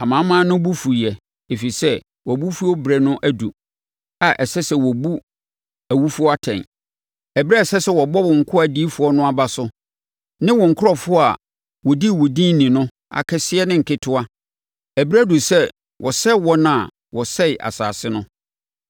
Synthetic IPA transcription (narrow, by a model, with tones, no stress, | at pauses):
a˨mã˨˦mã˦nʊ̃˦bu˦fu˨jɛ˨ | e˨fi˨sɛ˦ | wɔ˨bu˦fu˦ɔ˦bɾɛ˦nʊ̃˦ʔæ˦du˨ | a˨ʔɛ˨sɛ˦sɛ˦wɔ˨bu˦ | æ˨wu˦fʊ˦ɔ˦a˦tʰɛ̰̃˨n | ɛ˨bɾɛ˦˨sɛ˦sɛ˦wɔ˨bɔ˦wɔ̃˨ŋ̩˨kʰʊ˦æ˨diː˦fʊ˨ɔ˦nʊ̃˦a˨ba˦sʊ˦ | nɪ̃˦wɔ̃˨ŋ̩˨kʰʊ˦ɔ˨fʊ˦ɔ˦a˨ | wɔ˨di˦˨wɔ˨dĩ˦nĩ˨nʊ̃˦ | a̰˨kʰɛ˦sɪ˦ɛ˦nɪ̃˦ŋ̩˨kʰɪ˦tʰʊ˦a˦ | æ˨bɾæ˦du˨sɛ˦ | wʔɔ˨sɛ˦wɔ˦nã˦˨ | wɔ˨sɛ˦ɪ˨ʔa̰˨sa̰ː˨sɪ˦nʊ̃˦